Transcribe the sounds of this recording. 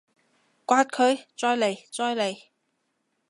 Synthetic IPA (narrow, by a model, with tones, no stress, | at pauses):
kʷaː˧t̚kʰɵ˨˧ɥt͡sɔː˧jle˨˩jt͡sɔː˧jle˨˩j